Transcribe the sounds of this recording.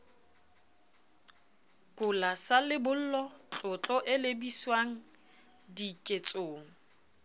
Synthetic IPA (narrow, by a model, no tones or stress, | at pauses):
kʼʊlasalɪbʊl̩lɔt͡ɬʼʊt͡ɬʼɔʔɪlebiswaŋ̩ | dikʼet͡sʼoːŋ̩